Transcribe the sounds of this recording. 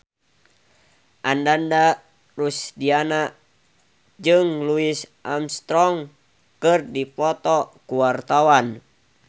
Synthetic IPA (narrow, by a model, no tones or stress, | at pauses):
ʔandanda | rusdiana | d͡ʒɨŋluisʔamst̪ɾɔŋ | kɨrdipɔt̪ɔkuwart̪awan